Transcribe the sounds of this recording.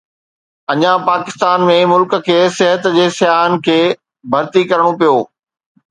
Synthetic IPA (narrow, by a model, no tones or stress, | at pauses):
ɐɲãpaːkɪst̪aːnmẽmʊlkəkʰeːsɪɦət̪d͡ʑeːsjaːɦənɪ̆kʰeː | bʱɐɾt̪ikɐɾəɽ̃opijoː